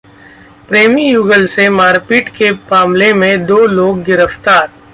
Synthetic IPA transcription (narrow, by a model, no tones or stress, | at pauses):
pɾeːmijuːɡəlsemaːɾpiːʈkepaːmlemẽd̪oːloːɡːɪɾəft̪aːɾ